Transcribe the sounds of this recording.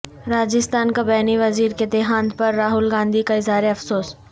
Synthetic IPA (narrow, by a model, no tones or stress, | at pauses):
ɾaːd͡ʒɪst̪aːnkabɛːniʋɐziːɾked̪eːɦãːnd̪pɐɾːaːɦʊlɡãːnd̪ʱikaɪzɦaːɾeɐfsoːs